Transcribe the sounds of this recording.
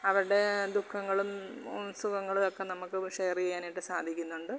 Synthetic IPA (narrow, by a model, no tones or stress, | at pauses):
ɐʋɐɾuɽe̞d̪ukʰːɐŋːɐɭumunsuɣɐŋːɐɭulokːe̞nɐmukːɨʂejɐriɐjaːniʈːɨsaːd̪ʱikʲːunːuɳɖɨ